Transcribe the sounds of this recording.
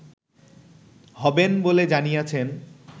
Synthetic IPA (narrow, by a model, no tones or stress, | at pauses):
ɦɔbenboled͡ʑanijat͡ɕʰen